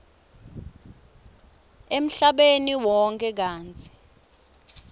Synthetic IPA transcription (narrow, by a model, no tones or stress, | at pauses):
em̩ɬaɓeniwɔŋkʼɛk̬aːnt͡sʰʼi̥